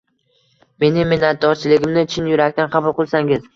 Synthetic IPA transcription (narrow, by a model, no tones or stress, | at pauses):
me̞nɪmɪnːat̪̚d̪ɒɾt͡ʃʰɪlɪɡʲɪmnɪt͡ʃʰɪnjʊɾakʲt̪ʰanqʰɑbʊlˠqɨlˠsaŋɪz